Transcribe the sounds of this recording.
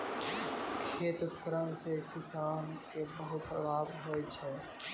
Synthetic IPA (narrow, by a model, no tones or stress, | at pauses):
kʰeːt̪kəɾəmsekɪsaːnkebəɦʊt̪laːbɦoːet͡ʃʰɛː